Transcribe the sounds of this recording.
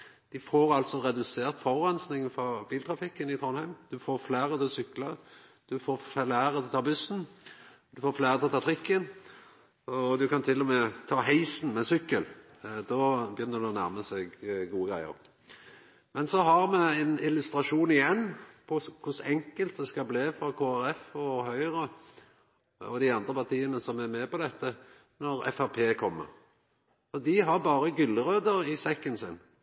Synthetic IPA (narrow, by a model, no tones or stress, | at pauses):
d̪̥ɪfoːɾɑlt̪sɔʁɛd̪ʉseːʁt̪fɔʁʁɛnsnɪŋfɔɾbiːlt̪ʰʁɑfɪkːənɪt̪ʰʁɔnhæɪmd̪̥ʉfoːɾflæːʁət̪ʰɪlsʏklə | d̪̥ʉfoːflæːʁət̪ʰɪlt̪ʰɑːbʉsn̩ | d̪ʉfoːfleːʁət̪ʰɪlɔt̪ʰɑːt̪ʰʁɪkːən | ɔd̪ʉkɑnt̪ʰɪlːɔmɛt̪ʰɑːɦæɪsn̩mɛsʏkːəl | d̪ɔbjʏnːəɾd̪ʉɔnæʁməsɛɡɡuːəɡɾæɪə̰ʁ | mɛnsɔɦɑʁmɛɛnɪlʉst̪ɾɑʂuːnɪjɛnːpʰɔkʰʊsɛŋkəlt̪̚d̪ɛskɑbleːfɾɑkʰoːæɾɛfɔɦœʏʁə | ɔ̰d̪ɪɑnd̪ʁəpɑʁt̪ʰiːənəsɔmæɾmɛːpɔd̪ɛt̪ːə | nɔɾɛ̰fæʁpʰeːkʰɔmːə̰ʁ | fɔd̪ɪɦɑʁbɑːʁəɡʏlːəʁøːd̪əɾɪsɛkːənsɪnː